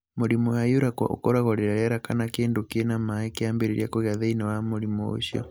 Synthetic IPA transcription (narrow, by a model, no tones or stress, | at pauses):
moɾimɔjajuɾakwa̰ʔo̰kɔɾaɣɔɾiɾaɾɛɾakanakeːndokɛnamakeambeɾiɾijakoɣjaðɛinawamoɾimɔo̰ʃiɔ̰